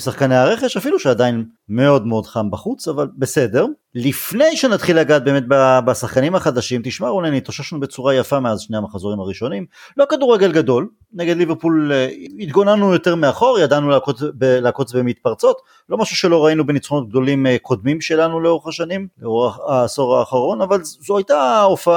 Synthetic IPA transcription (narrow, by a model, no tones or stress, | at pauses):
saχkaneaʁe̞χe̞ʃafiluʃead̪ain | me̞o̞dmeo̞dχambaχut͡savalbe̞sede̞ʁ | lifne̞jʃe̞nat̪χilːaɡat̪̚beːmet̪̚babasaχkanimhaχad̪aʃimt̪iʃmaulajnit̪oʃaʃnube̞t͡suʁajafameazʃne̞jhamaχazoʁimaʁiʃo̞nim | lo̞kaduʁːeɡe̞lɡad̪o̞l | neɡed̪liveʁpulit̪ɡo̞nanujo̞te̞ʁmeaχo̞ʁjadanulakot͡sbelaːko̞t͡sbemit̪paʁt͡so̞t̪ | lo̞maʃuʃelo̞ʁainubenit͡sχonot̪̚ɡ̚d̪o̞limkʰo̞d̪mimʃe̞lanuleo̞ʁeχaʃanimleoaso̞ʁaːχaʁo̞navalzoajtaofa